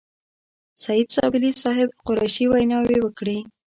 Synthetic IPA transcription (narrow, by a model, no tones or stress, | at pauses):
sajid̪sɑ̰bɪlisɑɦɪb̚qʊɾajʃiwajnɑwewəkɽe